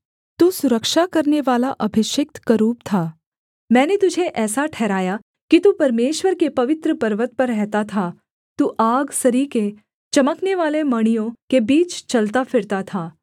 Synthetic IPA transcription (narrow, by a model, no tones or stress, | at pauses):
t̪usʊɾəkʃakɐɾneʋaːlaʔɐbʱɪʃɪk̚t̪kaɾuːp̚t̪ʰaː | mɛ̃ːnet̪ʊd͡ʒʱeʔɛːsaʈʰɛːɾaːja | kit̪upɐɾmeːʃʋəɾkepɐʋɪt̪ɾəpɐɾʋət̪̚pɐɾɛɦt̪at̪ʰa | t̪uːʔaːɡsɐɾike | t͡ʃɐməkneʋaːlemɐɽ̃ijõkebiːt͡ʃt͡ʃɐlt̪afʰɪɾt̪at̪ʰaː